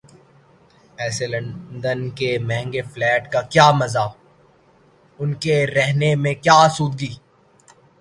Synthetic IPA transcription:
ɛːselɐ̃nd̪ənkemɛ̃ɦɛ̃ŋɡeflɛːʈkakjaːmɐzaː | ʊnkeɾɛɦnemẽkjaːsuːd̪̚ɡiː

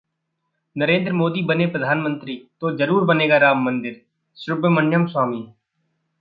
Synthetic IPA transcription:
nəɾeːnd̪ɾəmoːd̪iːbəneːpɾəd̪ʱaːnmə̃nt̪ɾiːt̪oːd͡ʒəɾuːɾbəneːɡaːɾaːmːənd̪ɪɾ | sɾʊbmənjəmswaːmiː

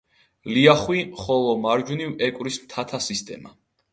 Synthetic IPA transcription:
liaχwiχɔlˠɔmaɾd͡ʒunivɛkʼwɾismt̪ʰat̪ʰasist̪ʼɛ̰ma

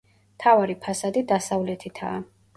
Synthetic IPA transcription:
mt̪ʰavaɾipʰasad̪id̪asavlɛt̪ʰit̪ʰaː

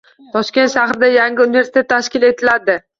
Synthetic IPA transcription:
t̪ʰɒʃkʲe̞nt̪ʃaχɾɪd̪ajaŋɡʲɪunɪve̞ɾsɪt̪et̪ːaʃkʲɪle̞t̪ʰɪlad̪ɪ

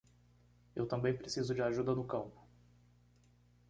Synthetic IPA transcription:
ewt̪ɐ̃mbẽj̃pɾesizʊd͡ʒɪaʒud̪ɐnʊkɐ̃mpʊ̥

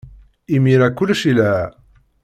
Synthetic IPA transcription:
imiɾækːʊlʃilɦ

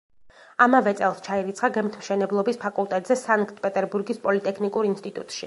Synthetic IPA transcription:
amavɛt̪sʼɛlˠst͡ʃʰaiɾit̪sʰχaɡɛmt̪ʰmʃɛnɛblˠɔbispʰakʼulˠt̪ʼɛt̪ʼzɛsaŋkʼt̪ʰʼpʼɛt̪ʼɛɾbuɾɡispʼɔlit̪ʼɛkʰnikʼuɾinst̪ʼit̪ʼṵt̪ʼʃḭ

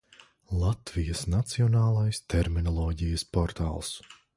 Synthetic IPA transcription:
lˠat̪vijɐsnat̪siɔnaːlˠajst̪ɛɾminɔlˠɔːɟijɐspɔɾt̪a̰ːlˠs

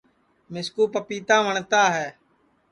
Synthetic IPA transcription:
mɪskuːpəpiːt̪ãːʋəɳt̪aːɦɛː

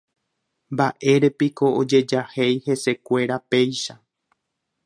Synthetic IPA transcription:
mbaʔe̞ɾe̞piko̞od͡ʒe̞d͡ʒahe̞jhe̞se̞kʷe̞ɾape̞jʃa

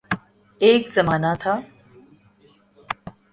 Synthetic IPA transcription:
eːkzɐmaːnaːt̪ʰaː

